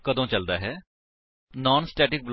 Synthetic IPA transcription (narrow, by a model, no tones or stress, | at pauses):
kəd̪õːt͡ʃəld̪aːɦɛː | nɔːnsʈɛːʈɪk̚bl